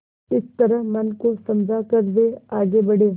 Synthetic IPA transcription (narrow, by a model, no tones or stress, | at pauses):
ɪst̪ɐɾəɦmɐnkosɐmd͡ʒʱakɐɾʋ̪eaːɡebɐɽe